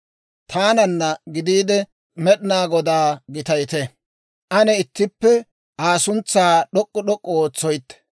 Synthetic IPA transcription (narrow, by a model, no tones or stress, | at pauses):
t̪ʰaːnɐnːɐɡɪd̪iːd̪ɛ | mɛɗɪnaːɡɔd̪aːɡɪt̪ɐjt̪ɛ | ʔɐnɛɪt̪ːɪpːɛ | ʔaːsʊnt͡sːaːɗɔkʼːɔɗɔkʼːɔoːt͡sːɔjt̪ːɛ̥